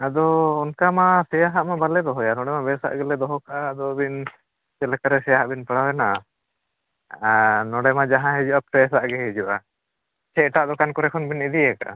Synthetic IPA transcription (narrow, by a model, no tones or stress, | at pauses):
ad̪ɔːnkamasɛjaɦaʔmabalɛd̪ɔɦɔjanɔɽɛmabɛsa̰ʔɡɛlɛd̪ɔɦɔkaʔad̪ɔbin | t͡ʃɛlɛkaɾɛsɛjaɦaʔbinpəɽawɛna | anɔɽɛmad͡ʒaɦãɦɛd͡ʒuʔapɾɛsaʔɡɛɦɛd͡ʒuʔa | t͡ʃɛʈaʔd̪ɔkankɔɾɛkʰɔnbinid̪ijɛka̰